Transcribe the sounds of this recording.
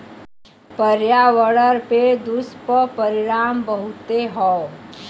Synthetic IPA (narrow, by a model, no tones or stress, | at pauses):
pəɾjaʋəɽəɾped̪uspəpəɾɪɾaːmbəɦut̪eɦɔ